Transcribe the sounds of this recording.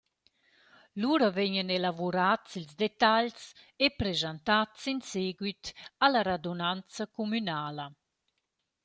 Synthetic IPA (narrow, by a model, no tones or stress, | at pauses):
luːɾəvɛɲənelavuɾat͡silzd̪et̪aʎs | epɾezant̪att͡sinseɡwit̪alaɾad̪onant͡sakomynaːlə